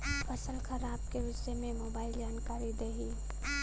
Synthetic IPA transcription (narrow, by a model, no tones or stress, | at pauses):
pəsəlkʰəɾaːb̚keʋɪʃəmẽmobaːɪld͡ʒaːnkaɾid̪eɦi